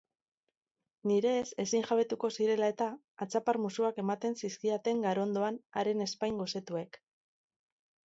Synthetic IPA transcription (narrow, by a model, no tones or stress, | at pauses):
niɾe̞ːse̞siŋʝaβe̞t̪uko̞siɾe̞lae̞t̪aː | t͡sapaɾmusuake̞mat̪e̞nsiskiat̪e̞ŋɡaɾond̪o̞anaɾe̞ne̞spajŋɡose̞t̪ue̞k